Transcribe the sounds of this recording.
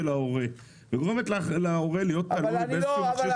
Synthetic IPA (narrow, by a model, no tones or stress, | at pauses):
elaoʁe | veɡo̞ʁemet̪laːχelao̞ʁelijo̞t̪ːalujbezsuʃe